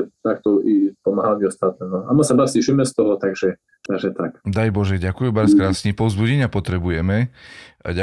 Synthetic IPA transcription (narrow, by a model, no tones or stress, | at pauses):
t̪akt̪ɔʔipɔmaɦalmiɔst̪at̪ɛnɔamasabasiʃimɛst̪ɔɦɔt̪aɡʒɛ | t̪aɡʒɛt̪akd̪ajbɔʒɛɟakujubaɾskɾaːsɲipɔʊzbuɟɛɲapɔt̪ɾɛbujɛmɛ | ɟa